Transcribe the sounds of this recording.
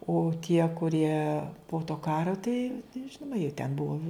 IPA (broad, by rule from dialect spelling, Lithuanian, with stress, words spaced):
oː tʲiɛ kʊˈrʲiɛ poː toː ˈkɑːroː tɐɪ ˈʒʲɪnoːmɐ jiɛ tʲɛn ˈbʊʋoː